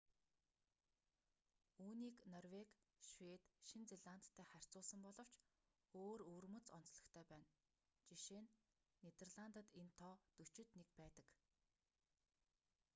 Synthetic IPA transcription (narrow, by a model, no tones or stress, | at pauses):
uːniːknɔrwek | ʃwet̪ʃint͡seɮant̪ʰːæːχær̥ʲt͡sʊːɮsə̆mpɔɮɞ̆w̥t͡ɕ | oːɾɵːrmɵ̆t͡sɔnt͡sɮɞ̆kt̪ʰœːpæːn | t͡ɕiʃeːnː | et̪erɮant̪ə̆t̪ent̪ʰɔːt̪ɵ̥t͡ɕɪ̆t̪nekpæːt̪ə̥̆k